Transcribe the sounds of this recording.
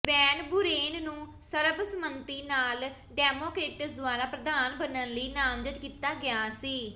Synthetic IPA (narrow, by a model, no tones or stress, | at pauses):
ʋɛːnbʊɾeːnnũː | səɾəbsəmənt̪iːnaːl | ɖɛːmoːkɾeːʈəsd̪ʊaːɾaːpɾəd̪aːnbənənləiːnaːmd͡ʒət̪kiːt̪aːɡɪjaːsiː